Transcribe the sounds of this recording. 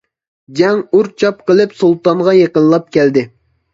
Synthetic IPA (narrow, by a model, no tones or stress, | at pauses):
d͡ʒɛŋuɾt͡ʃʰɑp̚qəlˠɨpsulˠt̪ɑnʁɑjeqənlˠɑp̚kʲɛld̪ɪ